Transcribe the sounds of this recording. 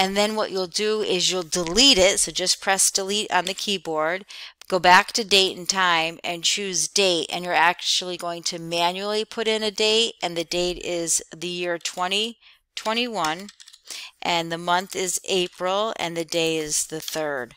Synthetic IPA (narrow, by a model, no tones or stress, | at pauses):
ɨ̃nðɨ̃nwʌt͡ʃulˠdɨɪzjulˠdəliɾɪtsoʊd͡ʒʌspʰɹ̥ɛsd̥əliɾ̃n̩ðɨkʰibɔɹd̚ɡ̥oʊbæk̚tʰɨdeɪɾɨ̃n̩tʰãɪ̃mɨ̃nt͡ʃʰʉzdeɪtɨ̰̃njə˞æk̚t͡ʃul̩ˠiɡoʊɪ̃ŋtʰɨmæ̃njul̩ˠipʰʊɾɪ̃nɨdeɪɾʔɨ̃nðɨdeɪɾɪzðɨjɪɹtʰw̥ɛ̃ɾ̃i | tʰw̥ɛ̃ɾ̃iwʌ̃n | ʔɨ̃nðɨmʌ̃nθɪzeɪpɹl̩ˠɨ̰̃nðɨdeɪɪzðɨθɜ˞d̥